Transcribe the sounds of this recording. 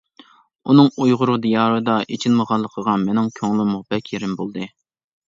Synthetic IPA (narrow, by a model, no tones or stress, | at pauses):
unɨŋujʁʊɾud̪ijɑːɾɨd̪ɑʔet͡ʃʰilməʁɑlˠːəqʰəʁɑmenɪŋkʲʰøŋlˠɪmʊʁbɛkʲʰeɾɪmbolˠd̪ɨ